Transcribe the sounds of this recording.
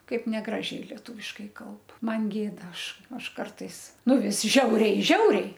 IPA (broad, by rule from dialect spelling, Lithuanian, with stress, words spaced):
ˈkɐɪp nʲɛˈɡrɑːʒʲɛɪ lʲiɛˈtuːʋʲɪʃkɐɪ ˈkɐlˠp ˈmɐn ˈɡʲeːdɐ ˈɐʃ ˈɐʃ ˈkɐrtɐɪs ˈnʊ ˈʋʲɪs ˈʒʲɛʊrʲɛɪ ˈʒʲɛʊrʲɛɪ